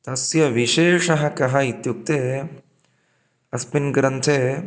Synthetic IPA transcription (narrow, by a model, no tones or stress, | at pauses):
t̪ɐsjɐʋiʃeːʂɐɦɐkɐɦɐit̪juk̚t̪eː | ɐspinɡɾɐnt̪ʰeː